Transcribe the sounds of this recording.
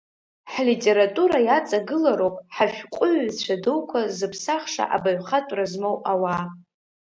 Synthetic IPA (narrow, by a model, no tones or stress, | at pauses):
ħlitʼe̞ɾatʼuɾajat͡sʼaɡɨlaɾowpʼħaʃʷᶣqʷʼʊɥt͡ɕʷʰadɨwkʷʰazɨpʰsaχʂa̰ʔa̰baɥχatʼrazmowawa